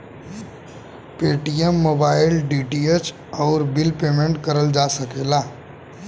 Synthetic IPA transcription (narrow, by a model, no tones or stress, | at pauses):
peʈijemːobailɖiʈiet͡ʃ | ɔːɾbilpemẽɳʈkəɾəld͡ʒasəkela